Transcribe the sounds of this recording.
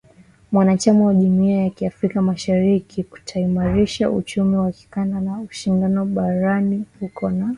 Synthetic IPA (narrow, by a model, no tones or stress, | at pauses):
mwanat͡ʃamawaʄumiajakiafɾikamaʃaɾikiku̥tʰaimaɾiʃaʔṵt͡ʃumiwaki̥kandanauʃindanɔɓaɾanihukɔna